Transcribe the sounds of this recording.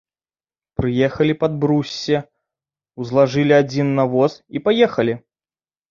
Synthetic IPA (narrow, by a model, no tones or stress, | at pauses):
pɾɨjɛxɐlʲipɐd̪̚bɾusʲːɐ | wzlˠaʐɨlʲiad͡zʲinːɐvɔsipajɛxɐlʲi